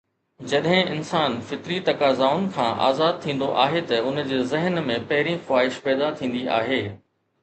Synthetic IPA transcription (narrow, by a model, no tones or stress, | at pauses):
d͡ʑɐɗɦɪ̃ɪnsaːnfɪt̪ɾit̪ɐkaːzaːʊn̆kʰãːʔa̰ːzaːd̪̚t̪ʰĩːn̆d̪oʔa̰ːɦet̪ɐʊnd͡ʑeːzɪɦənmẽpɐɦɪɾĩxʊwaːɦɪʃpɛːd̪at̪ʰĩːnd̪ia̰ːɦeː